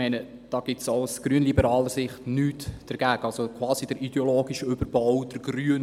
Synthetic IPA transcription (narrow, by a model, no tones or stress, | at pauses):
ɛɪnə | d̥ɑːɡ̥ɪtsaʊsɡ̥ɾyənlibəɾɑːləɾsɪχtnyːtd̥əɾɡ̥æːɡəɑlsokʰʋɑːsid̥əɾʔid̥eoloːɡiʃəʏbəɾb̥ɔwd̥əɾɡryən